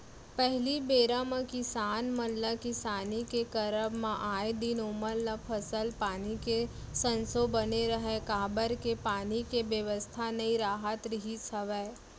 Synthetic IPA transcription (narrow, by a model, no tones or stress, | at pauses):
pɛɦlibeːɾãmãkɪsaːnməlːakisaːnikekɐɾəbmãʔaːjed̪inoməlːəpʰɐsəlpaːnike | sə̃nsobɐneɾəɦẽkaːbəɾkepaːnikeʋjəʋəst̪ʰanɐĩɾaːɦət̪ɾɪɦisʰəʋɛː